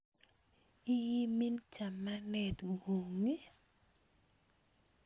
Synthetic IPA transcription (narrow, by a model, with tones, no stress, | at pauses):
i˦ji˦mi˦nt͡ʃa˨ma˦nɛ˨tŋɡu˨ŋi˦